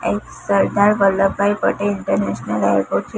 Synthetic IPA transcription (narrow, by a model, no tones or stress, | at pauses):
ek | səɾd̪ʱaɾbəlːəbbajpəʈeiɳʈəɾneɕnəleɾpoɖt͡ɕ